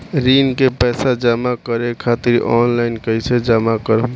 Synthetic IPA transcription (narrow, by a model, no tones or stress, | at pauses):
ɾinkepɛːsad͡ʒəmakəɾekʰaːt̪iɾɔnlaɪnkəjsed͡ʒəmakəɾə